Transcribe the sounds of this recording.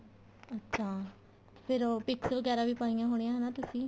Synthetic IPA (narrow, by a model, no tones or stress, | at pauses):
ətːʃʰaː | pʰɪɾpɪksəlɡɛːɾaːʋiːpaːijãːɦoːɽ̃iãɦɛnaːt̪ʊsĩː